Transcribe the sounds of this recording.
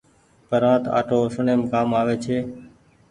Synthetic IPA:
pəɾãːt̪a̰ːʈʰoːəsəɳẽːmkaːmaːʋeːt͡ʃʰeː

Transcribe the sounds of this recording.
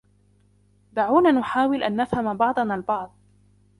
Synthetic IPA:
d̪aʕuːnaːnʊħaːwɪlʔanːafhamabɑʕd̪ˤɑnaːlbɑʕd̪ˤ

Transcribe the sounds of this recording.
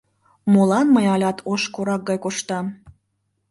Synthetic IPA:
molɑnməjɑlʲɑt̪ʰoʃkoɾɑk̚ɡɑjkoʃt̪ɑm

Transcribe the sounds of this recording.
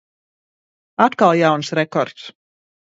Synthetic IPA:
at̪kalˠjawnsɾɛkɔɾt̪s

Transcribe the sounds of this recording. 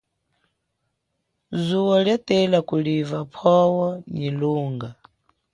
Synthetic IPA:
zuwɔljatɛlakulivapʰɔwɔɲiluːŋɡa

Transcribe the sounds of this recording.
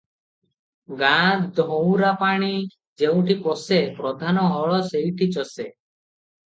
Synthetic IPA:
ɡad̪ʱɔw̃ɾapaɽ̃i | d͡ʒeũʈikɔsepɾɔd̪ʱanɔɦɔɭɔsejʈʰit͡ʃɔse

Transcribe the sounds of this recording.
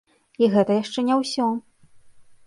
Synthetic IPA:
iɣɛt̪ɐjaʂt͡ʂɛnʲɛwsʲɔ

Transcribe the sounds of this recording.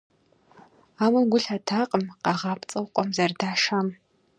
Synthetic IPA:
aːmɨmɡʷʊɬatʰaːqʼəmqɑʁɑːpt͡sʼɨwqʷʼɔmzɐrdaːʂam

